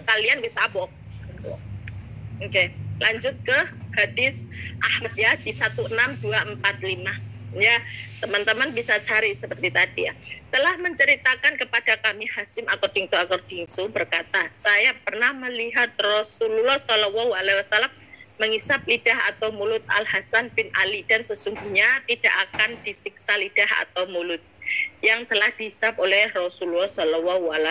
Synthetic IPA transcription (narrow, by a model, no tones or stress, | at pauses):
səkalianwit̪abɔk̪̚t̪u | ŋkelʔaɲd͡ʒʊt̪̚kəhadɪsʔahat̪̚jad̥isat̪uənamduaʔəmpat̪̚limajat̪əmant̪əmanbisat͡ʃaɾisəpərt̪it̪adija̰t̪əlahməɲt͡ʃəɾit̪akankəpad̥akamihasɪmakɔrd̥iŋt̪uakɔrd̥ɪŋsubərkat̪asajapərnahməliɦat̪̚rɔsululɔhsɔlɔwawalawasalamː | əŋisap̚lidaɦa̰t̪awmulʊt̪̚a̰lhasanpɪnʔa̰lid̥ansəsuŋɡuhɲat̪id̥aʔakand̥isik̚salid̥aha̰t̪awmulʊt̪̚jaŋt̪əlahd̥iɦisap̚olɛhrɔsululɔsɔlɔwawala